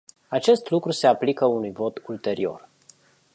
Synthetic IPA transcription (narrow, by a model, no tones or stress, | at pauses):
at͡ʃe̞st̪lukɾuse̞aplikəunujvo̞t̪ult̪e̞ɾio̞̰r